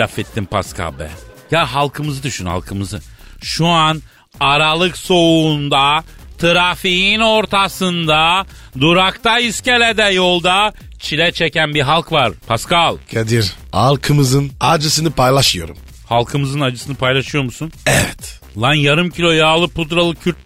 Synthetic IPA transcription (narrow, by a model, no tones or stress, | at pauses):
afet̪ʰːimpʰa̰skʰa̰bɛ̰jaɦalˠkʰɯmɯzɯd̪yʃynha̰lˠkʰɯmɯzɯʃuan | aɾalˠɯkso̞und̪a | t̪ʰɯɾafijino̞ɾt̪ʰasɯnd̪a | d̪uɾakt̪ʰaiscelʲed̪ɛjo̞lˠd̪a | t͡ʃʰilʲɛt͡ʃʰecænbiɦalˠkvaɾpʰaskalˠkʰed̪iɾ | ha̰lˠkʰɯmɯzɯnad͡ʒɯsɯnɯpʰajlˠaʃɯjo̞̰ɾṵm | halˠkʰɯmɯzɯnad͡ʒɯsɯnɯpʰajlˠaʃɯjo̞ɾmusunɛvɛt̪ | lˠanjaɾɯmcʰilʲo̞jaːlˠɯpʰut̪ɾalˠɯcʰyɾt̪